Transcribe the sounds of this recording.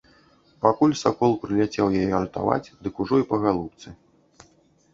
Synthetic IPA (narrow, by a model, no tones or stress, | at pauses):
pakulʲsakɔlˠpɾɨlʲat͡sʲɛwjajɛɐɾt̪a̰va̰t͡sʲd̪ɨkuʐɔipɐɣalˠup̚t̪sɨ